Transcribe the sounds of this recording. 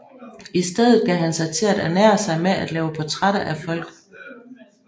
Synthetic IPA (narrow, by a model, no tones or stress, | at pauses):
isd̥eð̞̰ˠð̞̩ˠkæɦænsɑ̈ɪt͡sʰe̝æɾæɐnæɐ̰sɑ̈ɪmeæd̥lɛːʊəpʰɒ̽t͡sʰʁaɾ̥ɐʔæfɒ̽l̰ɡ̥̩